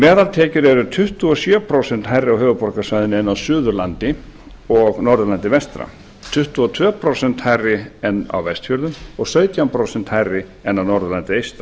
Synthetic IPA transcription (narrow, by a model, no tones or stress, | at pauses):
mɛːðalt̪ʰɛːcʏɾɛɾʏt̪ʰʏht̪uɔsjœːpʰɾowsɛnt̪ɦajrːɪawɦœːvʏpɔɾkasvajðɪnɛnːawsʏːðʏɾlant̪ɪ | ɔɣnɔɾðʏlant̪ɪvɛst̪ɾa̰ | t̪ʰʏht̪uɔt̪ʰvœːpʰɾowsɛn̥t̪hajrːɪɛnːa̰wvɛst̪fjœɾðʏmɔɣsœːɥt̪jawmpʰɾowsɛnt̪hajrːɪɛnːawnɔɾðʏlant̪ɪejst̪ɾa